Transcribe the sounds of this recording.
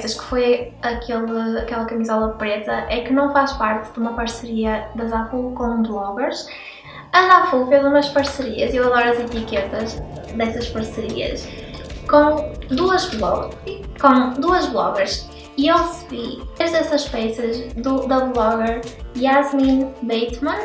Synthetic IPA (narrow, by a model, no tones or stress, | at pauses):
sɐʃkɨ̥foj | ɐkʰelˠɨɐkɛlˠɐkɐmizɔlˠɐpɾet̪ɐʔɛkɨnɐ̃w̃faʃpaɾt̪ɨðumɐpɐɾsɨɾiɐðɐzafukõblˠɔɣɛɾʃ | ɐzafufezumɐʃpɐɾsɨɾiɐziewɐðɔɾɐzit̪iket̪ɐz | ðɛsɐʃpɐɾsɨɾiɐ̰ʃkõd̪uɐʒlˠɔkõd̪uɐʒβlˠɔɣɛɾʃ | iewʁɨsɨβieʒðɛsɐʃpɛjsɐʒðud̪ɐβlˠɔɣɛɾiazmĩnbejt̪mɐ̃n